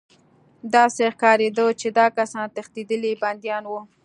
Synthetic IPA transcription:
d̪ɑsexkɑɾed̪ot͡ʃed̪ɑkasɑnt̪axt̪id̪əliband̪jɑnwu

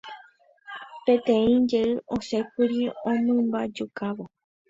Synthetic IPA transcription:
pẽt̪ẽ̞ĩd͡ʒe̞ɨʔõse̞kɨɾiõmɨ̃mbad͡ʒukaʋo

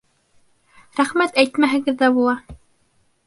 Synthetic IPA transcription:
ɾæχmæt̪æjt̪mæɦɘ̆ɡɘðːæbulˠɑ

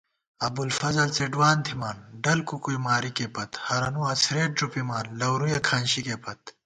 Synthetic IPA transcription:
ɐbulfɐzɐlt͡seɖwaːnt̪ʰimaːnɖɐlkukujmaːɾikepɐt̪hɐɾɐnuɐt͡sʰɾeːʈ̚ɖɾupimaːnlɐwɾujɐkʰaːnɕikepɐt̪̚

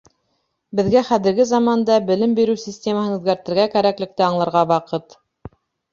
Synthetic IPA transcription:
bɘ̆ðɡæχæðɘ̆ɾɡɘzɑmɑnd̪ɑbɘ̆lɘmbiɾɘwsʲisʲtʲe̞məhɤnʉ̆ðɡæɾt̪ɘ̆ɾɡækæɾæklɘ̆k̚t̪ɘɑɴlˠɑ̆ɾʁɑβɑqɤt̪

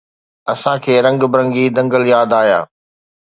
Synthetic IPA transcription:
ɐsãkʰeːɾɐ̃ŋɡbɪɾɐ̃ŋɡid̪ɐ̃ŋɡəljaːd̪aːja̰ː

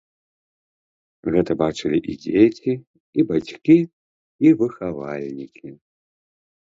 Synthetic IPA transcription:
ɣɛt̪ɐbat͡ʂɨlʲiʔḭd͡zʲet͡sʲi | ibat͡sʲkʲi | ivɨxavalʲnʲikʲi

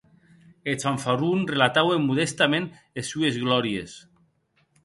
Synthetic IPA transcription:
esaɱfarunrelat̪awemːuðest̪amẽn | esːuezɣlɔɾiḛs

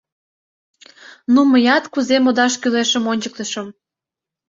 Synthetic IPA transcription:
numəjɑt̪kuzemod̪ɑʃkyleʃə̆monʲt͡ɕək̚t̪əʃə̆m

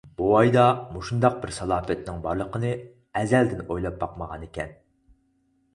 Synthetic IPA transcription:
buɑjd̪ɑmuʃund̪ɑq̚bɪɾsɑlˠɑːfɛt̪nɪŋbɑɾlˠəqənɨ | ɛzɛld̪ɪnojlˠɑp̚bɑqməʁɑnekʲɛn

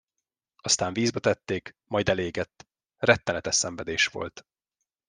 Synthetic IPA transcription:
ɒst̪aːɱviːzbɒt̪ɛt̪ːeːk | mɒjd̪ɛleːɡɛt̪ː | rɛt̪ːɛnɛt̪ɛʃsɛɱvɛd̪eːʃʋo̞̰lt̪

